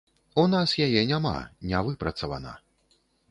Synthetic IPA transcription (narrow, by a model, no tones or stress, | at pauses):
unasjajɛnʲama̰nʲavɨpɾɐt̪sɐva̰na̰